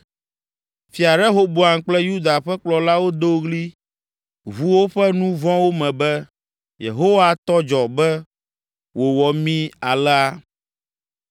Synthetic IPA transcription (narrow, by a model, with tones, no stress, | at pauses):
fi˨a˨ɖɛ˦ɦo˦bo˨a˨ŋ˨k͡plɛ˦ju˦d̪a˨ɸɛ˦k͡plɔ˨la˦wo˦d̪o˦ɣli˦ | vu˦wo˦ɸɛ˦nũ˦vɔ̃˦wo˦mɛ̃˨bɛ˦ | jḛ˨ɦo˦wa˦t̪ɔ˦d͡ʒɔ˨bɛ˦ | wo˨wɔ˨mĩ˦a˨lɛ˦a˦